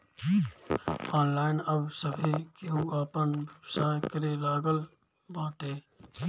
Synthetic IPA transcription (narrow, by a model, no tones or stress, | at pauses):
ɔːnlaːɪnəbsəbʱikeuaːpənsaːkəɾelaːɡəl | bãːt̪ɦeː